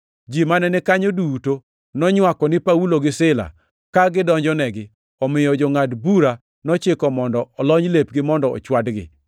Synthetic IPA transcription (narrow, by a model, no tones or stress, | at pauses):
d͡ʒimanɛnɛkaɲoduto | nɔɲwakɔnɪpauloɡɪsɪla̰ | kaɡɪdɔɲd͡ʒɔnɛɡɪ | ɔmɪjɔd͡ʒɔŋatbuɾa | nɔt͡ʃɪkɔmɔndɔɔlɔɲlepɡɪmɔndɔɔ̰t͡ʃwadɡɪ̰